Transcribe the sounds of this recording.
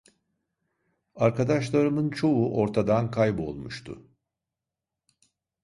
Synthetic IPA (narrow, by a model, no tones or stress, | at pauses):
aɾkʰad̪aʃlˠaɾɯmɯnt͡ʃʰo̞uʔo̞ɾt̪ʰad̪ankʰajbo̞̰lˠmuʃt̪ʰʊ̰